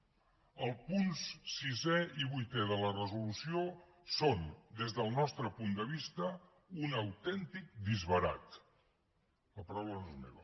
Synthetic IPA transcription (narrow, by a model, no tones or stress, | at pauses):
əlˠpunssizɛiβujt̪ɛðələrəzulusio | sond̪ezðəlˠnɔst̪ɾəpund̪əβ̞ist̪ə | unəwt̪ɛnt̪ik̚d̪izβəɾa̰t̪ | əpəɾawlənozmḛβə